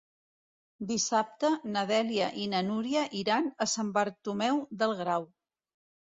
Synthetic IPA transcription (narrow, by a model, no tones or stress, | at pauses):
d̪isap̚t̪ənəðɛliəʔinənuɾiəʔiɾanəsambəɾt̪umɛwðəlˠɣɾaw